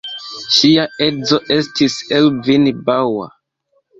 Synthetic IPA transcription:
ʃiae̞zo̞ʔe̞stiselvinbawa̰

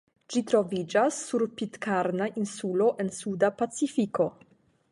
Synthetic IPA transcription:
d͡ʒitɾo̞vid͡ʒasːuɾpitkaɾnaʔinsulo̞ʔe̞nsudapat͡sifiko̞

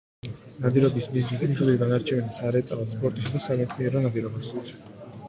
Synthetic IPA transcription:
nad̪iɾɔb̪ismiznisʰiχʰɛiɡanaɾt͡ʃʰɛvɛlisaɾɛt̪sʼavɔspʼɔɾt̪ʼisad̪asaɡɛsʰniɛɾɔnad̪iɾɔbas

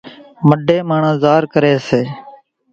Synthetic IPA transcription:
məɖʱeːmaːɳãːzaːɾkəɾeːseː

